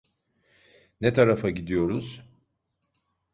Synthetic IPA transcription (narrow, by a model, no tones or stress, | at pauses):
nɛt̪ʰaɾafaɟid̪ijo̞ɾuz̥